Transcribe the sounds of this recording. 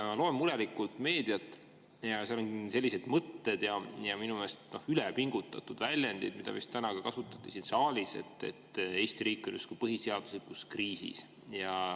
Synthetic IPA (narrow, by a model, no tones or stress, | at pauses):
lo̞ːemːuɾelikːˑult̪ˑme̞ːd̪̥ijɑt̪ːˑ | jɑseɑlonse̞lʲːise̞d̪̥mɤt̪ːe̞d̪̥jɑjɑminumest̪no̞hylepiŋɡ̥ut̪ːˑɑt̪ːˑud̪̥vælʲjɑnd̪id̪mid̪ɑ̰vist̪t̪ænɑkɑkɑsut̪ːˑɑ̥t̪ːˑisinsɑːlʲise̞̰t̪ːˑe̞̰t̪ːe̞ːsʲt̪iɾiːkˑːo̞njust̪kupɤɦiseɑd̪̥u̥slikuskriːsḭs | jɑ